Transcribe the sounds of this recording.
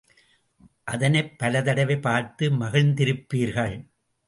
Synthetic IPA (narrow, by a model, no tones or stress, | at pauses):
ʔɐðɐnɐɪpːɐlɐðɐɽɐʋɐɪpaːɾt̪ːɯmɐɣɪɭnd̪ɪɾɯpːiːɾɣɐɭ